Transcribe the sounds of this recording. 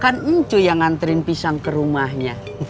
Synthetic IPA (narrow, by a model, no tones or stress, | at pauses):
kanəɲt͡ʃujaŋant̪əɾɪnpisaŋkəɾumahɲa